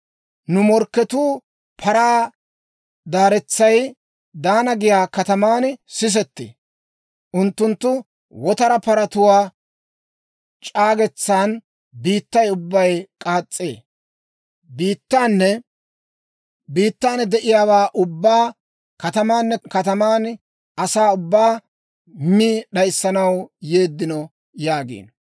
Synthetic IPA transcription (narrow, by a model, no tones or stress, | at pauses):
nʊmɔɾkːɛt̪uː | pʰɐɾaː | d̪aːɾɛt͡sːɐj | d̪aːnɐɡɪjaːkɐt̪ɐmaːnsɪs̬ɛt̪ːḛː | ʔʊnt̪ːʊnt̪ːʊ | wɔt̪ɐɾɐpɐɾɐt̪ʊwaː | t͡ʃʼaːɡɛt͡sːaːn | biːt̪ːɐjʊbːɐjkʼaːt͡sʼːḛː | biːt̪ːaːnːɛ | biːt̪ːaːnd̪ɛʔɪjaːwaːʔʊbːaː | kɐt̪ɐmaːnːɛkɐt̪ɐmaːn | ʔɐsaːʊbːaː | miɗɐjsːɐnɐwjeːd̪ːɪnɔ | jaːɡḭːn